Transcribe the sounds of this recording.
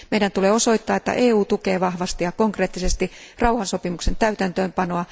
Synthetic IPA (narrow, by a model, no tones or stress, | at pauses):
mejdænt̪uleoso̞it̪ːɑːet̪ːæ̰ʔeːuːt̪ukeːʋɑhʋɑst̪ijɑkoŋkreːt̪ːisest̪irɑuhɑnsopimuksent̪æyt̪ænt̪øːmpɑnoɑ